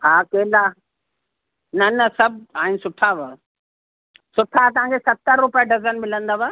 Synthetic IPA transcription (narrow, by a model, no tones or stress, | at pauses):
ɦaːkeːlaː | nɐnɐsɐb̚ʱaːɦɪnɪsʊʈʰaʋə | sʊʈʰat̪ɐʋ̤ãːŋkʰesɐt̪ːəɾːʊpijaɖɐzənmɪlə̃nd̪aʋə